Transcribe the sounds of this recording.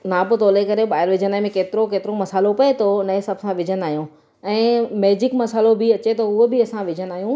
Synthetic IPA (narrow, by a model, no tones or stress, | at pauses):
nãːpot̪oːlekɐɾeɓaːɪɾʋɪd͡ʑənãːmẽkeːt̪ɪɾokeːt̪ɪɾomɐsaːlopɐet̪ʰonɐẽsɐbsãʋɪd͡ʑʱənaːɦijũ | ɛ̃ːmeːd͡ʑɪkmɐsaːlobʱɪɐt͡ɕet̪ɐʊɦobɪɐsãʋɪd͡ʑʱənaːɦijũ